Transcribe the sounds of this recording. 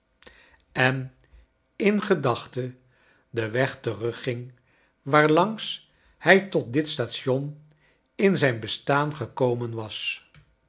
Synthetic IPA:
ɛn | ɪnχədɑχtə | dəʋɛχtərɵχːɪŋ | ʋaːɹlɑŋs | hɛjtɔt̚dɪtstaːtsɔn | ɪnzɛjnbəstaːnχəkowmənʋɑs

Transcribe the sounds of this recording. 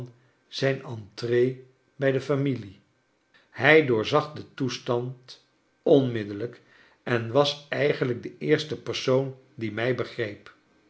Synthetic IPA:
n | z̥ɛjnɑntrej | bɛjdəfamili | hɛjdʊːɹzɑχdətustɑnt | ɔnmɪdələk | ɛnʋɑsɛjχən̩ləɡ̚dəʔɪːɹstəpərsown | dimɛjbəχrejp

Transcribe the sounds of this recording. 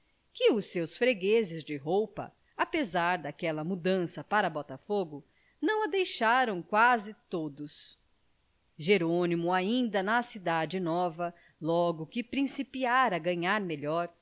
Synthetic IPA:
kɪʊsːewsfɾeɡezɪzd͡ʒɪɦowpɐ̰ | apezaɾd̪akɛlɐmud̪ɐ̃sɐpaɾɐbɔt̪ɐfoɡʊ | nɐ̃w̃ɐd̪ejʃaɾɐ̃w̃kwazɪt̪od̪ʊs | ʒeɾonimʊaĩnd̪ɐnɐsid̪ad͡ʒɪnɔvɐ | lɔɡʊkɪpɾĩsipiaɾɐɡɐ̃ɲaɾmeʎɔɾ

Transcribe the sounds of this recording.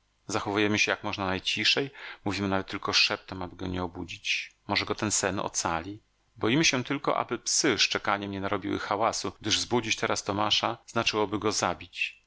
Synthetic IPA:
zaxɔvujɛmɘɕɛjakmɔʐnanajt͡ɕiʂɛjmuvʲimɘnavɛt̪ːɘlkɔʂɛp̚t̪ɛmabɘɡɔɲɛɔbud͡ʑit͡ɕmɔʐɛɡɔt̪ɛnsɛnɔ̰t̪salʲi | bɔjimɘɕɛt̪ɘlkɔ̰ʔa̰bɘpsɘʂt͡ʂɛkaɲɛmɲɛnaɾɔbʲiwɘ̰xawasuɡ̚d̪ɘʐzbud͡ʑit͡ɕt̪ɛɾast̪ɔmaʂaz̥nat͡ʂɘwɔbɘɡɔzabʲit͡ɕ

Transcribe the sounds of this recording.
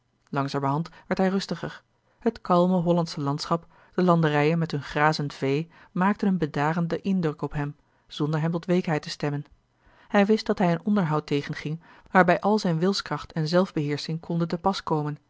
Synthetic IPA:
lɑŋzaːməɹɦɑntʋɛɹtɦɛjrɵstəχəɹ | hətkɑlˠməɦɔlɑntsəlɑntsχɑp | d̥əlɑndərɛjənmɛtɦɵnχraːzəntv̥ej | maːk̚tənənbədaːrəndəʔɪndrɵkɔpɦɛm | z̥ɔndəɹɦɛmtɔtʋejkɦɛjtəstɛmən | hɛjʋɪst̚d̥ɑtɦɛjənɔndəɹɦɑwtejχənχɪŋ | ʋaːɹbɛjʔɑlˠzɛjnʋɪlˠskrɑχtʰɛnzɛlˠvbəɦɪːɹsɪŋkʰɔndəntəpɑskowmən

